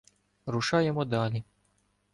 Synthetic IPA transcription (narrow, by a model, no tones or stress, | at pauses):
ɾuʃaːjɛmɔd̪aːli